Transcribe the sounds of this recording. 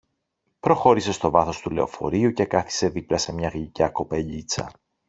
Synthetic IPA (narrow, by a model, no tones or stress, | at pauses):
pɾo̞xo̞ɾise̞st̪o̞vɐθo̞st̪ule̞o̞̰fo̞̰ɾiuce̞kɐθi̥se̞ðiplɐse̞mɲɐɣʎicɐko̞pe̞ʎit͡sɐ̰